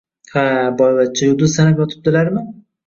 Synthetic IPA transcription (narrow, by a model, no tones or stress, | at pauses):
habɒjvat̪̚t͡ʃʰːajʊd̪ʊzsanapʲɒt̪ʰɪ̥p̚d̪ɪlaɾmɪ